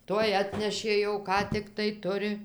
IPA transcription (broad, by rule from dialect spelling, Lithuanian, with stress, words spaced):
ˈtuɔj ˈɑːtʲnʲɛʃʲeː jɛʊ ˈkɑː tʲɪkˈtɐɪ ˈtʊrʲɪ